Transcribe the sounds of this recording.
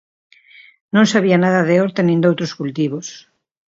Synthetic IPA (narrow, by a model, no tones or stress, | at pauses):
nõŋsaβianaðɐðeɔɾt̪enĩnd̪owt̪ɾoskult̪iβos